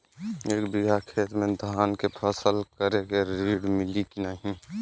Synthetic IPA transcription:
eːkbiɦakʰeːt̪mẽd̪ʱaːnkepʰəsəlkəɾekeɾiːɽmɪlikinaɦĩ

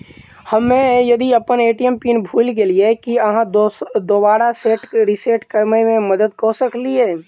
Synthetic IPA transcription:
hɐmːẽjɐd̪iɐpəneːʈijəmpiːnbʱuːlk̬eliekiɐɦãd̪oːbaːɾaseːʈɾiseːʈkəɾmemẽməd̪əd̪kosəkliɦɛː

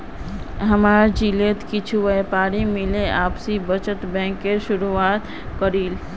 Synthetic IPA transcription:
ɦəmaːɾd͡ʒileːt̪kɪt͡ʃʰuʋəpaːɾimɪleʔaːpsibət͡ʃət̪bɛ̃ːŋkːeʃʊɾuaːt̪ | kəɾiːl

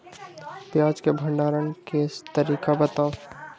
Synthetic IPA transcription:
pjaːd͡ʒkebʱə̃ɳɖaːɾənkest̪əɾiːkabət̪aː

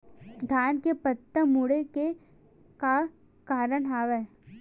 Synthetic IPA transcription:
d̪ʱjaːnkepət̪ːəmuɽeke | ka | kaːɾəɽɦaːʋe

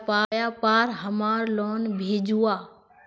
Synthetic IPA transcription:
paːjapaːɾɦɐmaːɾloːnbʱeːd͡ʑuaː

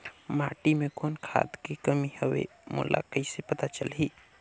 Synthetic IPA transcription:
maʈimekonkʰa̰d̪kekəmihəbḛmṵla̰kəɪsepət̪at͡ʃəlɦi

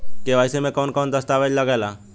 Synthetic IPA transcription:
keʋaːɪsemẽkɔːnkɔːnd̪əst̪aʋed͡ʒləɡɛːla

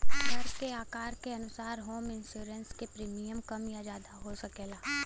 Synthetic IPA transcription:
bəɾkeaːkaːɾkeɐnʊsaːɾɦoːmɪnʃjuːɾənskepɾiːmijəmkɐmjad͡ʒjaːd̪aɦosɐkeːlaː

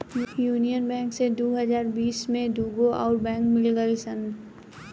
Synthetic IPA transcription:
juːnijənbɛ̃ːŋksed̪oːɦəzaːɾbiːsmẽd̪uːɡoʔɔːɾbɛ̃ːŋkmɪlɡəisən

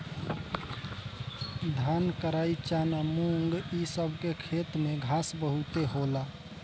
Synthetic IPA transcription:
d̪ʱankəɾait͡ʃanamuŋɡisəbʱkekʰet̪meɡʱasbəɦut̪eɦola

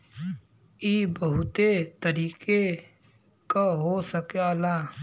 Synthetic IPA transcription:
iːbɐɦʊt̪et̪əɾiːke | kaɦosəkealaː

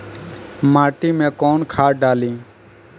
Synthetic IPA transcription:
maːʈiːmẽːkoːnkʰaːɖaːlĩː

